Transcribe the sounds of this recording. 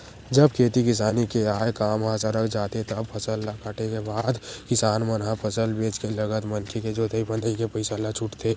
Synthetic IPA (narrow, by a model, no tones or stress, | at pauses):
d͡ʒəb̚kʰeːt̪ikɪs̬aːnikeaːekaːmɦaːsaɾəkʰd͡ʒaːt̪ẽt̪oɐbpʰəsəlːakaʈekebaːd̪kɪsaːnmənɦãpʰəsəlbeːt͡ʃkelɐɡət̪mənkʰeked͡ʒoːt̪əibə̃nəĩkepəɪsalːat͡ʃʰʊʈt̪ʰe